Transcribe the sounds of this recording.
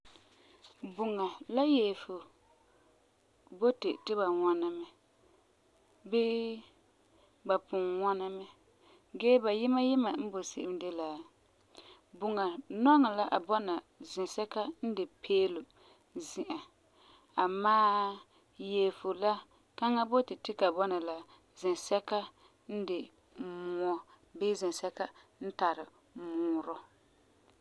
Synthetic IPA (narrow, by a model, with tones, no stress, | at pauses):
bʊ˨ŋa˨la˦jɛ˨fo˨ | bo˦te˨tɪ˦ba˨ŋa˦na˦mɛ˦ | bɪ˦ | ba˨pʊ˨ŋŋɔ˦na˦mɛ˦ | ɡɛ˦ba˨jɪ˦ma˦jɪ˦ma˨m̩˦bo˨sɪ˦ʔɪ˦mde˦la˨ | bʊ˨ŋa˨nɔ˦ŋa˨la˦ʔa˨bɔ˦na˨ | zɪ˨nsɛ˦ka˦n̩˦dɪ˨pʰeː˦lʊ˨ | zɪ˦˨ʔa˨ | a˨maː˦ | je˨lfo˨la˦ | ka˦ŋa˦bo˦tɪ˨tɪ˦ka˨bɔ˦na˨la˦ | zɪ˨nsɛ˦ka˦ | n̩˦dɪ˨ | mu˨ɔ˦ | bɪ˦zɪ˨nsɛ˦ka˦n̩˦ta˨ɾɪ˨ | muː˨ɾɔ˦